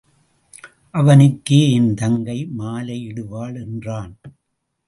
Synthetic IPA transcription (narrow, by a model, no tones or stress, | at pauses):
ʔɐʋɐnɪkːeːɪnd̪ɐŋɡɐɪmaːlɐɪɪɽɯʋaːɭɛndraːn